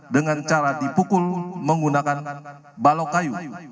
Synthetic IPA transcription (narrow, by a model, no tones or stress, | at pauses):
dəŋant͡ʃaɾadipukʊlməŋɡunakan | balokaju